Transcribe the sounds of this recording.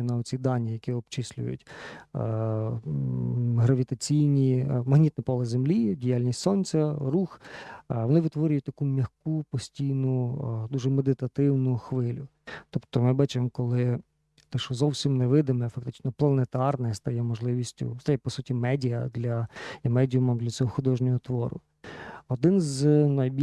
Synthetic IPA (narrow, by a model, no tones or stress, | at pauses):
nɐɔt͡sʲid̪ɑnʲːijɐkiɔb̚t͡ʃɪsʲlʲʊ̰jʊ̰tʲ | ɦɾɐʋʲit̪ɐt͡sʲijnʲimɐɦnʲit̪nɛpɔlˠɐzemlʲidʲijɑlʲnʲisʲtʲsɔnʲt͡sʲɐruxʋɔnɪʋʲɪt̪ʋɔɾʲʊjʊt̚ʲt̪ɐkumʲɐhkupɔsʲtʲijnʊd̪uʒɛmed̪ɪt̪ɐt̪ɪwnʊxʋɪlʲʊt̪ɔpt̪ɔmɪbɑt͡ʃemkɔlˠɪ | t̪ɛʃɔzɔwsʲimnɛʋɪd̪ɪmɛfɐk̚t̪ɪt͡ʃnɔplˠɐnet̪ɑrnɐst̪ɐjɛmɔʒlˠɪʋʲisʲtʲʊ̰st̪ɐjɛpɔsutʲimɛdʲiɐd̪lʲɐmɛdʲiumɔmd̪lʲɐt͡sʲɔɦɔxʊd̪ɔʒnʲɔɦɔt̪ʋɔɾʊ̰ | ɔd̪ɪnznɐjbʲi